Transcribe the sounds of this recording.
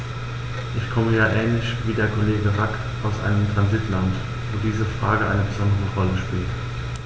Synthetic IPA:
ʔɪçkʰɔməjaːʔɛːnlɪçviːdeːɐkʰoleːɡəʁak | ʔaʊsʔa̰ɪnəmtʁ̥anzɪtlant | voːdiːzəfʁ̥aːɡəʔa̰ɪnəbəzɔndəʁəʁɔləʃpiːlt

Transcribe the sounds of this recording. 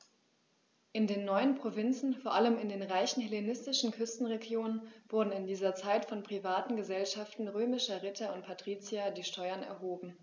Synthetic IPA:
ʔɪndeːnːɔʏənpʁ̥ovɪnt͡sn̩foːɐʔaləmɪndeːnʁaɪçn̩helenɪstɪʃn̩kʰʏstn̩ʁeɡjoːnənv̥ʊɐdn̩ɪndiːzɐt͡saɪtfɔnpʁ̥ivaːtn̩ɡəzɛlʃaftn̩ʁøːmɪʃɐʁɪtʰɐʊnt̚pʰatʁ̥iːt͡sjadiːʃtʰɔʏɐnɛ̰ɐɦoːbm̩

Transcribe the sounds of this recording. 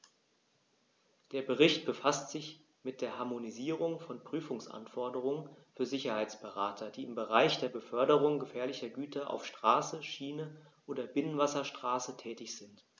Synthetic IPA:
d̥eːɐbəʁɪçt̚b̥əfastz̥ɪç | mɪt̚d̥eːɐɦaɐmoniziːʁ̞ʊŋfɔnpʁ̥yːfʊŋsʔa̰nfɔɐdəʁ̞ʊŋənfyːɐzɪçɐhaɪt͡sb̥əʁaːtʰɐd̥iːɪmbəʁaɪçd̥eːɐbəfœɐdəʁ̞ʊŋɡəfɛːɐlɪçɐɡyːtʰɐʔa̰ʊfʃtʁ̥aːsəʃiːnə | ʔoːdɐbɪnənvasɐʃtʁ̥aːsətʰɛːtɪçz̥ɪnt

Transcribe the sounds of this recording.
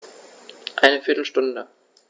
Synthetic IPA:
ʔaɪnəfɪɐtl̩ʃtʊndə

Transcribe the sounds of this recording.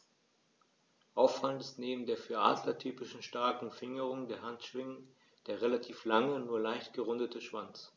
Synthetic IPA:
ʔaʊfaləntɪ̥stneːbm̩deːɐfyːɐʔa̰ːdlatʰyːpɪʃn̩ʃtaɐkŋ̩fɪŋəʁ̞ʊŋdeːɐhantʃv̥ɪŋə | d̥eːɐʁelatʰiːflaŋənuːɐlaɪçtɡ̥əʁʊndətəʃv̥ant͡s

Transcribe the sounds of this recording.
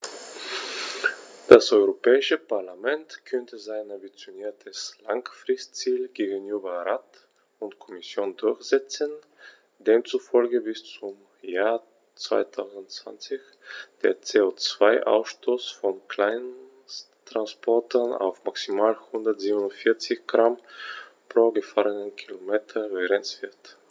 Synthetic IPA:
d̥asʔɔʏʁopɛːɪʃəpaɐlamɛntkʰœntʰəzaɪnambit͡sjoniːɐtʰəslaŋfʁ̥ɪstt͡siːlɡeːɡənyːbɐʁaːt | ʊntkʰɔmɪsjoːndʊɐçz̥ɛt͡sən | d̥eːmt͡sufɔlɡəbɪst͡sʊm | jaːɐ | t͡sv̥a̰ɪtʰaʊzn̩tt͡sv̥a̰nt͡sɪç | d̥eːɐt͡seːot͡sv̥aɪʔa̰ʊsʃtʰoːsfɔnkʰl̥aɪn | tʁ̥anspʰɔɐtʰɐna̰ʊfmaksimaːlhʊndɐtz̥iːbənʊntfɪɐt͡sɪçɡ̥ʁampʁ̥oːɡəfaːʁənənkʰilomeːtʰɐvɛɡʁɛnsv̥ɪɐt

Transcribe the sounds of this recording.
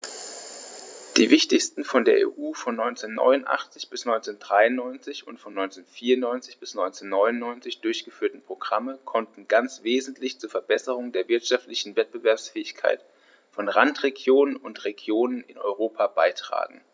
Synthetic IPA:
d̥iːvɪçtɪçstn̩fɔndeːɐʔḛːʔuːfɔnːɔʏnt͡seːnːɔ̰ʏnʊntʔa̰χt͡sɪçb̥ɪsnɔʏnt͡send̥ʁaɪʊnːɔʏnt͡sɪçʊntfɔnːɔʏnt͡seːnfiːɐʊnnɔʏnt͡sɪçb̥ɪsnɔʏnt͡senːɔʏnʊnːɔʏnt͡sɪçd̥ʊɐçɡ̥əfyːɐtn̩pʁ̥oɡ̥ʁaməkʰɔntn̩ɡant͡sv̥eːzn̩tʰlɪçt͡suːɐfɛɐbɛsəʁ̞ʊŋdeːɐvɪɐtʃaftlɪçn̩vɛt̚b̥əvɛɐpsfɛːɪçkʰa̰ɪt | fɔnʁantʁ̥eɡjoːnənʊntʁeɡjoːnənɪnɔ̰ʏʁoːpʰab̥aɪtʁ̥a̰ːɡŋ̩

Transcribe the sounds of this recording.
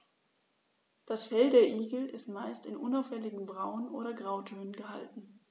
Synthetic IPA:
d̥asfɛldeːɐʔiːɡl̩ɪstmaɪstɪnʔʊnaʊfhɛlɪɡŋ̩bʁaʊənʔo̰ːɾɐɡʁaʊtʰøːnənɡəɦa̰ltn̩

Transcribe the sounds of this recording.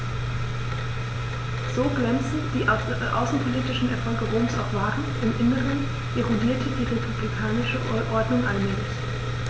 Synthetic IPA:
z̥oːɡlɛmt͡sn̩d̥iː | ʔa̰ʊsn̩pʰoliːtɪʃn̩ɛɐfɔlɡəʁoːmsa̰ʊxv̥aːʁn̩ʔɪmʔɪnəʁən | ʔeʁodiːɐtʰədiːʁepʰublikʰaːnɪʃəʔɔɐdnʊŋʔalmɛːlɪç

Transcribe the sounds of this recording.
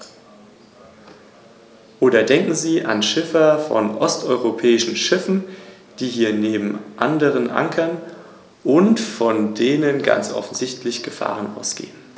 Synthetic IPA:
ʔoːdɐdɛŋkŋ̩ziːʔa̰nʃɪfɐfɔ̰nʔɔstʔɔʏʁopʰɛːɪʃn̩ʃɪfn̩ | d̥iːɦiːɐneːbm̩ʔa̰ndəʁ̞ənʔa̰ŋkʰɐn | ʔʊntfɔndeːnənɡa̰nt͡sʔɔ̰fn̩zɪçtʰlɪçɡ̥əfa̰ːʁ̞ənʔa̰ʊsɡ̥ḛːən

